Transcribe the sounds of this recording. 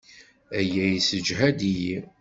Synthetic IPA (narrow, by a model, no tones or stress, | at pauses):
æjæjisəd͡ʒɦæd̪iji